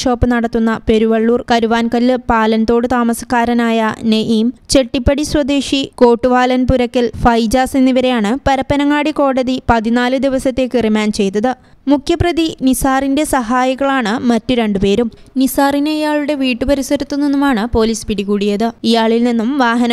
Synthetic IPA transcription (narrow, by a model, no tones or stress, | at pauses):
ʂo̞ːpːɨnɐɽɐt̪ːunːɐpe̞ɾuʋɐɭːuːrkɐɾuʋaːnkɐlːɨpaːlɐnt̪o̞ːɽɨt̪aːmɐsɐkːaːɾɐnaːjɐneʔiːmt͡ɕe̞ʈːipːɐɽisrɐd̪eːʂiko̞ːʈːuʋaːlɐnpuɾɐkːɐlfɐjd͡ʑaːsinːiʋɐɾe̞jaːɳɨpɐɾɐpːɐnɐŋːaːɽiko̞ːɽɐðipɐðinaːlɨd̪iʋɐsɐt̪ːe̞kːirimaːnt͡ɕe̞jt̪ːɐðɨ | mukʰjɐprɐðinisaːrinde̞sɐɦaːjɐɣɐɭaːɳɨmɐtːuɾe̞ɳɖupe̞ːɾumnisaːrinejaːɭuɽe̞ʋiːʈːupɐɾisɐɾut̪ːunːinːumaːɳɨpo̞ːliːspiɽikuːɽijɐðɨijaːɭilninːumʋaːɦɐnɐ